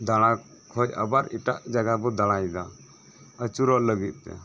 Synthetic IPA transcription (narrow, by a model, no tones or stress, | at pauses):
d̪aɽ̃ã | kʰɔjə̰baɾiʈaʔd͡ʒaɡabɔd̪aɽ̃ajd̪a | ət͡ʃuɾɔʔləɡit̪̚ˀt̪ɛ̰